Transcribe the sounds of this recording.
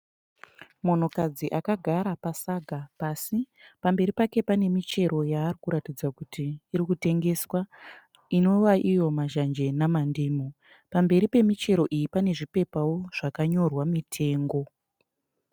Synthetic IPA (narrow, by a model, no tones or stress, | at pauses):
mo̞n̤o̞kad͡ziʔakaɡʱaɾapasaɡʱapasi | pambe̞ɾipake̞pane̞mit͡ʃe̞ɾo̞jaːrikuɾatid͡zakutiːɾikute̞ŋɡe̞swa | ino̞waʔijo̞maʒand͡ʒe̞namandiːmo | pambe̞ɾipe̞mit͡ʃe̞ɾo̞ʔijipane̞ʐipe̞pawo̞ʐ̥akaɲo̞rwamitʰe̞ːŋɡo̞